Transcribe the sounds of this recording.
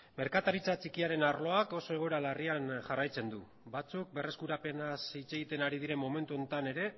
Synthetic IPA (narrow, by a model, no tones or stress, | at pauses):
me̞ɾkat̪aɾit͡sat͡ʃikiaɾe̞narlo̞ako̞so̞e̞ɣ̞oɾalarianʝarajt͡se̞nd̪u | bat͡suk̚be̞re̞skuɾape̞nasit͡se̞ɣit̪e̞naɾið̞iɾe̞mːo̞me̞nt̪uo̞nt̪ane̞ɾe̞